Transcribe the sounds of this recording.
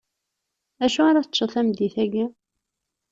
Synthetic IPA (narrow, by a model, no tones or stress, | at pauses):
æʃuaɾaθət͡ʃːəθæmd̪iθæɡæ